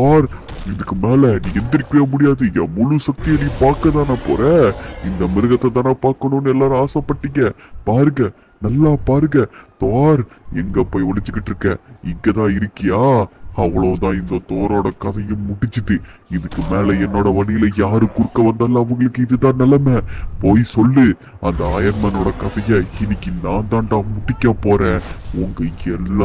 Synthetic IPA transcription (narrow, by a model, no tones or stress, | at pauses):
aːɾ | ɪðɯkːɯmeːlɐnĩːɛnd̪ɪɾɪkːemʊɽɪjaːðɯjɐ̰mʊlusɐk̚t̪ijɐnĩːpaːɾkɐt̪aːnaːpo̰ːɾɐɪnd̪ɐmɪɾɯɣɐt̪ːɐt̪̬ːaːnaːpaːɾkɐɳoːnːɯɛlːaːɾaːsɐ̃pːɐʈːɪŋɡɐpaːɾɯŋɡɐ | nɐlːaːpaːɾɯŋɡɐt̪oaːɾɛ̰ŋɡɐpːoːjɔɭɪt͡ʃːɯkːɪʈːɪɾɯkːɐɪŋɡɐt̪ãːɪɾɯkːɪjaːɐʋːɐɭoːt̪ãːɪnd̪ɐt̪oːɾoːɽɐkɐðɐjɯmʊʈːɪt͡ʃːɯt̪ːɯɪðɯkːɯmeːlɛɛnːoːɽɐʋɐɽɪjɪlɐjaːɾɯkːʊɾɯkːɐʋɐnd̪ɐlːɐːʋɐŋɡɐɭɯkːɯɪðɯt̪ãːnɐlɐmepoːjsɔlːɯ | ɐnd̪ɐɐjɐnmɐnoːɽɐkɐðɐjɐɪnːɪkːɯnaːnt̪ãːnt̪ãːmʊʈːɪkʲːapoːɾẽːʊŋɡɐɛlːa